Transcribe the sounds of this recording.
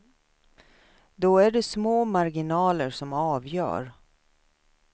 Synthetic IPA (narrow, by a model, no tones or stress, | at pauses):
d̪ɔæɖɛsmoːmaɾɡɪnɑːləɾʂɔmɑːvjœ̰ːɾ